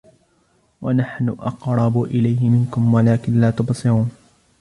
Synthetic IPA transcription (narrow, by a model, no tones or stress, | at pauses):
wanaħnʊʔɑqɾˤɑbʊʔɪlajhɪmɪnkʊmwalaːkɪnlaːt̪ʊbsˤɨɾuːn